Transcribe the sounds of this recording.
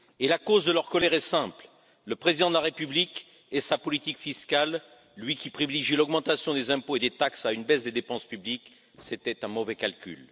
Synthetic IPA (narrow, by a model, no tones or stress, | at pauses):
elakozd̪əlœʁkɔlɛʁɛsɛ̃pl | ləpχezid̪ɑ̃d̪əlaʁepyblik | esapɔlit̪ikfiskalː | ɥikʲipχiviliʒilɔɡmɑ̃t̪asjɔ̃d̪ezɛ̃poed̪et̪aksaynbɛsd̪ed̪epɑ̃spyblik | set̪ɛt̪ɛ̃mɔvɛkalkʲy̰l